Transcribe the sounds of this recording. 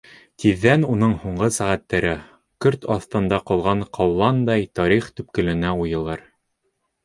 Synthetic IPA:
t̪iðːænunɤɴhuɴɢɤsæʁæt̪ːæɾɘ | kɵɾt̪ɑθt̪ɤ̆nd̪ɑqɒlˠʁɑɴqʰɑwlˠɑnd̪ɑjt̪ɒɾiχt̪ɵ̆p̚kɵ̆lɘ̆næujɤ̆lˠɤɾ

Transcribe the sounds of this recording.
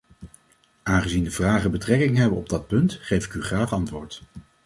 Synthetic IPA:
aːnχəzindəvraːχəbətrɛkɪŋɦɛbəɔb̚dɑt̚pɵntχejvɪkyχraːχɑntʋʊːɹt

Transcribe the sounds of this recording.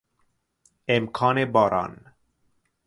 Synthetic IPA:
emkʰɑːnebɔːɾʔɑ̰ːn

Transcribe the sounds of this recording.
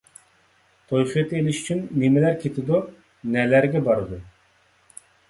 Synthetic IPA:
t̪ʰojχɨt̪ʰɨelɪʃy̥t͡ʃʰynːemɪlæɾkʲʰet̪ʰɪd̪u | nɛlæɾɡʲɛbɑɾɨd̪u

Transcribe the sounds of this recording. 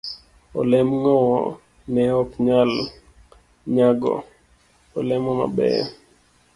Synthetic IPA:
ɔlɛmŋɔwɔ̰ | nɛɔpɲal | ɲaɡɔ̰ | ɔlɛmɔma̰bɛ̰

